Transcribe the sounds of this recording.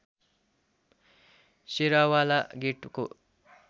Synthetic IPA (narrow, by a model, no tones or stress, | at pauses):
seɾawalaɡeʈko